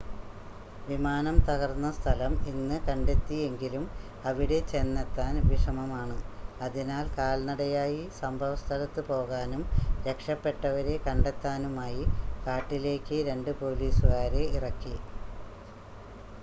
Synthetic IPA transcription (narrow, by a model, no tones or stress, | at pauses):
ʋimaːnɐmt̪ɐɣɐrnːɐst̪ʰɐlɐminːɨkɐɳɖe̞t̪ːije̞ŋɡilum | ɐʋiɽe̞t͡ɕe̞nːɐt̪ːaːnʋiʂɐmɐmaːɳɨɐðinaːlkaːlnɐɽɐjaːjisɐmbʱɐʋɐst̪ʰɐlɐt̪ːɨpo̞ːɣaːnumɾe̞kʂɐpːe̞ʈːɐʋɐɾe̞kɐɳɖe̞t̪ːaːnumaːjikaːʈːile̞ːkʲːɨɾe̞ɳɖɨpo̞ːliːsuɣaːɾe̞irɐkːi